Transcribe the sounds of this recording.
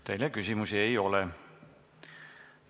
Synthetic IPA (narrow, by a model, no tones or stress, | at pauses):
t̪e̞jlekysʲimusiejo̞lɛ